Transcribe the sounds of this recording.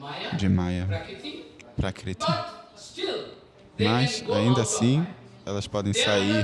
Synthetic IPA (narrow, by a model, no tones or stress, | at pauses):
d͡ʒɪmajɐ | pɾakɾit̪ʰi | mɐza̰ĩnd̪asĩ | ɛlɐspɔd̪ẽj̃sai